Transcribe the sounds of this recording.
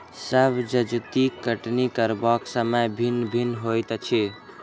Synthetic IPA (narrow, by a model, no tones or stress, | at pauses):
səbʱd͡ʒəd͡ʒt̪ikəʈnikəɾbɔksəməjbʱinbʱinɦojt̪t͡ʃʰi